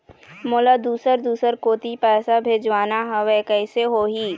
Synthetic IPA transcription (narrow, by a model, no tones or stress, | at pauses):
moːlad̪uːsəɾd̪uːsəɾkoːt̪ipɛːsabʱeːd͡ʒwaːnaɦɐʋekɛːɪseɦoːɦiː